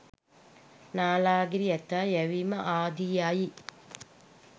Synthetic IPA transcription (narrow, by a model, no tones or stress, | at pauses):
naːlaːɡiɾiɐt̪ajɐʋimɐʔaːd̪ijaːji